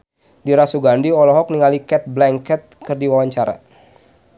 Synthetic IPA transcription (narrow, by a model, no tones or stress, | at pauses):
diɾasuɡandiɔlɔɦɔk̚niŋalikɛt̪̚blɛŋkɛt̪̚kɨrdiwawaɲt͡ʃaɾa̰